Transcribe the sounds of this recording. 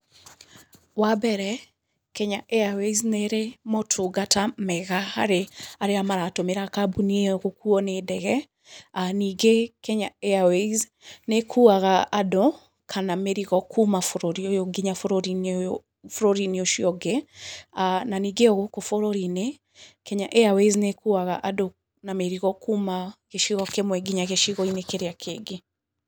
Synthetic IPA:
wabɛɾɛ | kɛɲaʔeawezneɾemotʰoɡatamɛɣahaɾeaɾeamaɾaːtomeɾaːkabunieɣokuɔnedɛɣɛ | aniːɡekɛɲaeawez | nekʰuaɣaado | kʰanamɛɾiɣɔkʰumafɔɾɔɾiɔjɔɡiɲafɔɾɔɾin | fɔɾɔɾiniɔʃiɔɡɛananiɡeɔɣokɔfɔɾɔɾine | kɛɲaʔɛaweznekuaɣa̰ʔadɔ | namɛɾiɣɔkumaɣeʃiɣɔkemwɛɡiɲaɣeʃiɣɔinekɛɾeakʰeɡe

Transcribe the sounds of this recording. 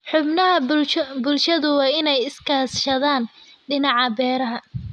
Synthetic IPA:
ħʊbnɐɦɐbʊlʃɐðʊwɑːɪnɛjɪskʰaːsʃɐðaːn | ɖɪnɑʕɑbɛːɾɐɦɐ

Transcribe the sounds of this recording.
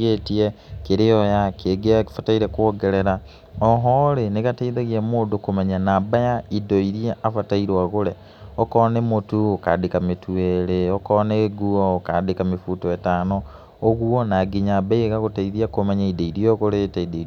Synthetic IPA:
etiekeɾeɔjakeɡeafataiɾɛkwoɡeɾeɾa | ɔɦɔɾeneɣataiðaɣiamoːdokomaɲanaːbajaidoiɾieʔafataiɾwaɣoɾɛ | ɔkɔnɛmotuoka̰dekametʰueɾeokɔneɡuɔkadekamefuːtɔetaːnɔː | ɣwɔnaɡiɲabaieɣaɣotaiðiakomaɲaideiɾioɣoɾeːtaidei

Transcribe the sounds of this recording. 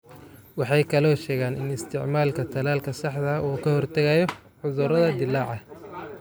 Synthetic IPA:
wɑħɑjkʰɐlɔːʃɛːɣaːnɪnɪst̪ʰɪʕmaːlkʰɐt̪ʰɐlaːlkʰɐsɑħd̪ɐuːkʰɐhɔrt̪ʰɐɣɐjɔ | ħʊðʊɾɐðɐd̪ɪlːɑːʕɑ

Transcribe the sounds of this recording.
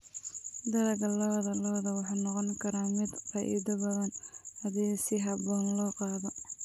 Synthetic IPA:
d̪ɐɾɐɡɐlɔðɐlɔːðɐwɑħɑnɔqɔŋkʰɐɾaːmɪd̪fɑːʔḭːd̪ɐbɐðɐnɐðiːɣsɪɦɐbɔːnlɔːqɑːðɔ

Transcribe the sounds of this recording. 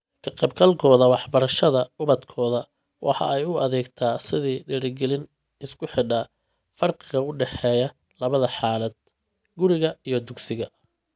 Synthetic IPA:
kʰɐqɛːb̚ɡɐlkʰɔːðɐwɑħbɐɾɐʃɐðɐʊβɐd̪kʰɔːðɐ | wʔɑ̰ħɑ̰ɛjʊɐðɛːɡt̪ʰaːsɪðiːɖɛːɾɪɡɛlɪn | ɪskʰʊħɪɖɐ | fɐrqɪɣɐʊɖɛħɛːjɐ | lɐβɐðɐħɑːlɐd̪̥̚ | ɡʊɾɪɣɐijɞd̪ʊɡsɪɣɐ

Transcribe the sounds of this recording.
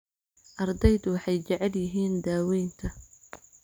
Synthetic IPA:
ʔɐrd̪ɛjðʊwɑħɑjt͡ʃɐʕɛljɪɦiːnd̪aːwɛjnt̪ʰɐ

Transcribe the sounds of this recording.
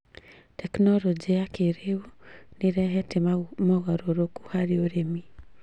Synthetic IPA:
tɛknɔlɔd͡ʒiakeɾeuneɾɛɦɛtemɔɣɔɾoɾoku̥haɾeoɾemi

